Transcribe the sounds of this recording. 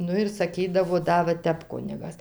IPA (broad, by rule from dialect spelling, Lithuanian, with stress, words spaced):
ˈnʊ ɪr sɐˈkʲiːdɐʋoː ˈdɐ ʋɐ ˈtʲɛp ˈkʊnʲɪɡɐs